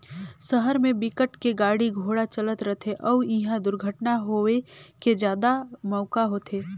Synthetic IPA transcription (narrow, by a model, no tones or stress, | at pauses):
səɦəɾmẽbɪkəʈkeɡaːɽiɡʱoːɽat͡ʃələt̪ɾət̪ʰeʔɔːɪɦãd̪ʊɾɡʱəʈnaɦoeked͡ʒjaːd̪amɔːkaɦoːt̪ʰeː